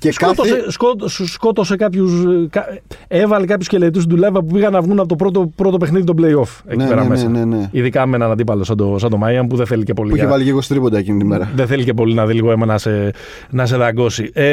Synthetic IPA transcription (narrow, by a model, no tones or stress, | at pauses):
ceskot̪oseskot̪ssko̞t̪o̞se̞kɐpçuskɐevɐlekɐpçusce̞let̪ust̪d̪ulɐvɐp̬upiɣɐnːɐvɣunɐpot̪o̞pɾo̞t̪o̞pɾo̞t̪o̞pexniðit̪obleio̞f | ḛnipeɾɐmesneneiðikɐmenɐnɐd̪ipɐlo̞sɐd̪osɐnd̪omɐjɐmpuðeθe̞lice̞po̞liuiçevɐliciɾɣost̪ɾipod̪ɐecinit̪imeɾɐðenθe̞lice̞p̬o̞linɐðiliɣo̞emɐnɐse | nɐs̬e̞ðɐɡo̞sie